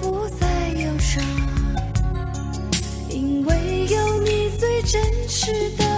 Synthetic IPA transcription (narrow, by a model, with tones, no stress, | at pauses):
pu˧˥t͡sa˥˧ɪjo˧˩ʊʂə˧˩ | i˧ŋwe˥˧ɪjo˧˩ʊni˨˩t͡swe˥˧ɪʈ͡ʂə˥nʂ̩˧˩d̪ə˧